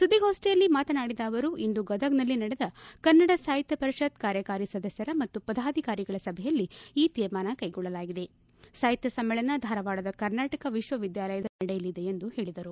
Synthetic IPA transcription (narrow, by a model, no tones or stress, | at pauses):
sud̪ioːsʈɛjɐlːimaːt̪ɐnaːɽid̪aːʋɐɾuʔind̪uɡɐd̪ʱɐɡnɐlːinɐɽed̪ɐkɐɾnːɐɽɐsaːjit̪jɐpɐɾiʃɐt̪kaːɾjɐkaːɾisɐd̪ɐsjɐɾɐmɐt̪ːupɐd̪aːd̪ʱikaːɾiɡɐɭɐsɐbʱɛjɐlːiiːt̪iːɾmaːnɐkɐjɡɔɭːɐlaːɡid̪e̞ | saːjit̪jɐsɐmːɛɭɐnɐd̪ʱaːɾɐʋaːɭɐd̪ɐkɐɾnaːʈɐkɐʋiʃʋɐʋid̪jaːlɐjɐd̪ɐnɐɽɛjɐlid̪e̞end̪uhe̞ːɭid̪ɐɾu